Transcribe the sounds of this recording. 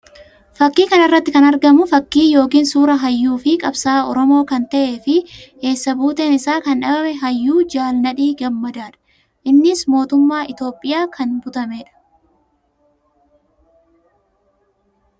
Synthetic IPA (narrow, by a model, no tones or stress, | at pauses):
fɐkːiːkɐnɐrːɐt̪ːɪkɐnɐɾɡɐmʊfɐkːiːjo̞ːk̬iːnsuːɾɐɦɐjːuːfɪkʼɐbsaːɔɾɔmo̞ːkɐnt̪ɐʔe̞ːfɪe̞ːsːɐbuːt̪e̞ːnɪsaːkɐnᶑɐbɐmɛɦɐjːuːd͡ʒaːlnɐᶑiːɡɐmːɐd̪aːᶑɐ̥ | ʔɪnːɪsmo̞ːt̪ʊmːaːʔɪt̪o̞ːpʼːɪjaːkɐnbʊt̪ɐmeːᶑɐ̥